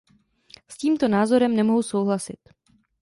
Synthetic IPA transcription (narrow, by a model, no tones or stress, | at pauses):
sciːmt̪o̞naːzo̞ɾɛmnɛmoɦuso̞wɦlasɪt̪